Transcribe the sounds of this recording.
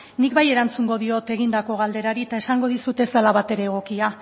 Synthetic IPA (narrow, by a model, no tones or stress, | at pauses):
nik̚baje̞ɾant͡suŋɡo̞ðio̞t̪e̞ɣ̞ind̪ako̞ɣald̪e̞ɾaɾit̪ae̞saŋɡo̞ðisut̪e̞salaβat̪e̞ɾe̞ːɣ̞o̞kia